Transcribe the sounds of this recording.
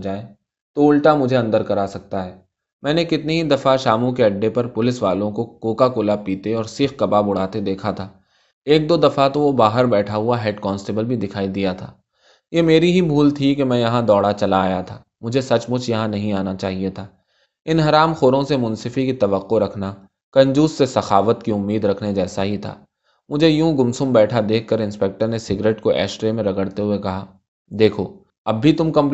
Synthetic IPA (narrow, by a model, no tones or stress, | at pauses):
d͡ʒaːe | t̪oʊlʈamʊd͡ʒʱeɐ̃nd̪əɾkɐɾaːsɐk̚t̪aɦɛː | mɛ̃ːnekɪt̪neɦid̪ɐfaʃaːmũk̬eɐɖːepɐɾpʊlɪsʋaːlõkokoːkakoːlapiːt̪eɔːɾsiːxkɐpabʊɽ̤aːt̪ed̪eːkʰat̪ʰaː | eːk̚d̪oːd̪ɐfat̪oʋobaːɦəɾbɛːʈʰaɦʊaɦɛːɖkɔ̃ːnsʈeːbəlbʱid̪ɪkʰaːid̪ijat̪ʰaː | jeːmeːɾiɦibʱuːlt̪ʰikemɛ̃ːjɐɦãd̪ɔːɽat͡ʃɐlaːjat̪ʰaː | mʊd͡ʒʱesɐt͡ʃmʊt͡ʃʰjɐɦãnɐɦĩaːnat͡ʃaːɦiet̪ʰaː | ɪnɦɐɾaːmxoːɾõsemʊ̃nsɪfikit̪ɐʋəqːoɾɐkʰna | kɐ̃ɲd͡ʒuːssesɐxaːʋət̪kiʊmːiːd̪ɾɐkʰned͡ʒɛːsaɦit̪ʰa̰ː | mʊd͡ʒʱejũɡʊmsʊmbɛːʈʰad̪eːkʰːɐɾɪ̃nspeːk̚ʈəɾnesɪɡɾeːʈkoʔɛ̰ːʃʈɾemẽɾɐɡəɽt̪eɦʊekɐɦaː | d̪eːkʰoː | ɐbːit̪ʊmkɐ̃mp